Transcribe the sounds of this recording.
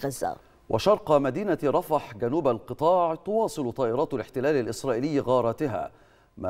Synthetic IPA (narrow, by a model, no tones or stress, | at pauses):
ɣazːa̰ | wʔɑʃɑɾˤqmad̪iːnaɾˤɑfɑħɡanuːbalqɨt̪ˤɑːʕt̪ʊwɑːsˤɨlt̪ˤɑːʔɪɾˤɑːt̪alɪħt̪ɪlaːlalʔɪsɾˤɑːʔɪlɪjːɣɑːɾˤɑːt̪ɪɦa̰ː | ma